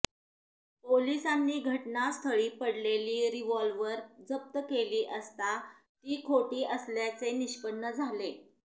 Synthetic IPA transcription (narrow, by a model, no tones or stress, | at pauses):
polisanːiːɡʱəʈnast̪ʰəɭiːpəɽleliːɾiʋɔlʋəɾd͡zəp̚t̪əkeliːʔəst̪a | t̪iːkʰoʈiːʔəsljat͡seniɕpənːəd͡zʱale